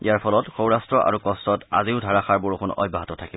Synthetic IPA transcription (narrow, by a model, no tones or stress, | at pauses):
ijaɹpʰɔlɔtxowɹastɹɔʔa̰ɹukɔstɔta̰ziʊdʱaɹaxaɹboɹuxʰʊnɔ̰bʱaɦatɔtʰakiɔ